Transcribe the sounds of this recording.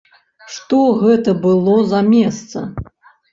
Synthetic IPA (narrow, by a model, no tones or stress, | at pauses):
ʂt̪ɔɣɛt̪ɐbɨlˠɔzɐmʲɛst̪sɐ